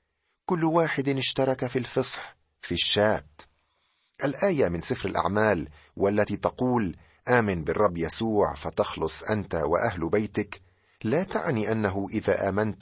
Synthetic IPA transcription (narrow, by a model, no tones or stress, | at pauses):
kʊlːwaːħɪd̪ɪʃt̪ɑɾˤɑkafilfɨsˤħ | fiʃːaːt̪ | ʔalʔaːjamɪnsɪfɾalʔa̰ʕmaːl | walːat̪iːt̪ɑquːl | ʔaːmɪnbɪrˤːɑbːjasuːʕfat̪ɑxlʊsˤʔant̪awa̰ʔaɦlbajt̪ɪk | laːt̪a̰ʕniːʔanːaɦʊʔɪðaːʔaːmant̪